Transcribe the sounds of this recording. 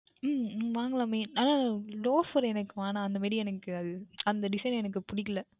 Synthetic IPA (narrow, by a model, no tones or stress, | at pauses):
mʋaːŋɡɐɭaːmeːnaːnaːloːfɐɾɛnɐkːɯʋaːnaːɐnd̪ɐmaːɾiɛnɐkːɯɐðɯɐnd̪ɐɖɪsɐɪnɛnɐk̬ːɯpʊɽɪkːɐlɐ